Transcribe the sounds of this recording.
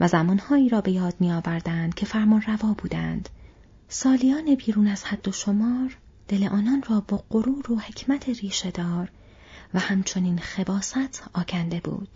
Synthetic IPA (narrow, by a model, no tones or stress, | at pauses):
væzæmɒːnhɒːiːɾɒːbe̞jɒːd̪̚miːjɒːvæɾd̪ænd̪̥̚cʰe̞fæɾmɒnrævɒːbuːd̪ænd̪̥ | sɒːlijɒːne̞biːɾuːnæz̥hæd̪̥ːo̞ʃo̞mɒːɾ | d̪̥e̞leʔɒːnɒːnrɒːbɒːɢoɾuːɾohe̞cʰmæt̪ʰeɾiːʃe̞d̪ɒːɾ | væhæmt͡ʃʰo̞niːnxe̞bɒːsæt̪ʰɒːcʰænd̪e̞bṵːd̪̥